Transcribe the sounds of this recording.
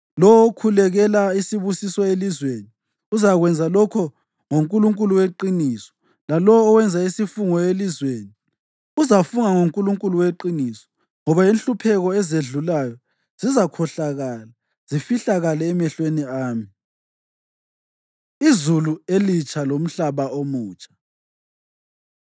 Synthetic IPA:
lɔwokʰulɛɣɛlaisiβusisɔelizweni | uzaɣwɛnd͡zʱalɔkʰɔ | ŋoŋkʼuluŋkʼuluweǃinisɔ̥ | lalɔːwɛnd͡zʱaisifuŋɔelizweːni | uzafuŋaŋoŋkʼuluŋkʼuluweǃinisɔ̥ | ŋɔβajinɬʼupʰɛɣɔɛzeɮulajɔ | z̥izakʰɔɬaɣaːla | z̥ifiɬaɣalɛːmɛɬweniaːmi | izuluelit͡ʃʼʰalom̩ɬaβaʔomuːt͡ʃʼḁ

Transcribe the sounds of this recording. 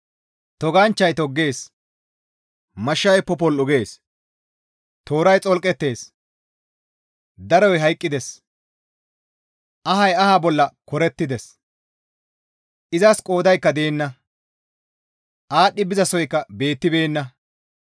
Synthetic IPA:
t̪ɔɡant͡ʃːɐjt̪ɔɡːe̞ːs | mɐʃːɐjpɔpɔlʊɡe̞ːs | t̪o̞ːɾɐjt͡sʼɔlkʼɛt̪ːe̞ːs | d̪ɐɾɔjɦɐjkʼːɪd̪ɛs | ʔɐɦɐjɐhabɔlːɐkɔɾɛt̪ːɪd̪ɛs | ʔɪzɐskʼo̞ːd̪ɐjkːɐd̪eːnːɐ | ʔaːɗːɪbɪzɐsɔjkːɐbe̞ːt̪ːɪbeːnːɐ

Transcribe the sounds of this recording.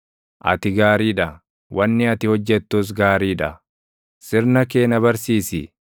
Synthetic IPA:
ʔɐ̰t̪ɪɡaːɾiːᶑɐ | wʔɐnːɪɐt̪ɪhɔd͡ʒːɛt̪ːus̬ɡaːɾiːᶑɐ | sɪɾnɐke̞ːnɐbɐɾsiːsɪ

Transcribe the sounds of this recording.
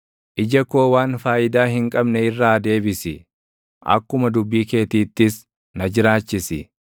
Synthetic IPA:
ʔɪd͡ʒɐko̞ːwaːnfaːjɪd̪aːɦɪŋkʼɐbnɛɪrːaːd̪e̞ːbɪsɪ | ʔɐ̰kːʊmɐd̪ʊbːiːke̞ːt̪iːt̪ːɪs | nɐd͡ʒɪɾaːt͡ʃːɪsɪ̰

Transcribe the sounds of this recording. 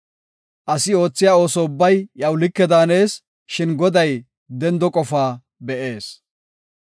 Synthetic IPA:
ʔɐsɪo̞ːt͡sːɪjaːo̞ːsɔʊbːɐjjɐwlɪkːɛd̪aːne̞ːs | ʃɪnɡɔd̪ɐj | d̪ɛnd̪ɔkʼɔfaː | bɛʔe̞ːs

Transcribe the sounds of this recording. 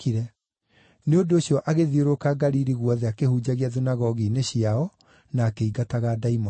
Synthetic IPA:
iɾɛ | neondoːɕjɔʔaɣeðioɾokaɡaɾiɾiɣwɔðɛakehuːd͡ʑaɣiaðinaɣɔɣineɕiaɔ | naːkeiɡataɣadaimɔ

